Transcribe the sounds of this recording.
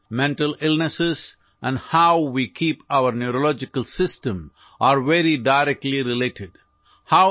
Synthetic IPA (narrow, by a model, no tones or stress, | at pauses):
mɛ̃ɳʈəlɪlnəsɪz | ʔæ̃nɖhaʊʋiːkʰiːpaʊəɾnjuɾolɔd͡ʒɪkəlsɪsʈə̃m | ʔaːɾʋeɾiɖaɪɾɛk̚ʈliɾɪleːʈɪɖ | haʊ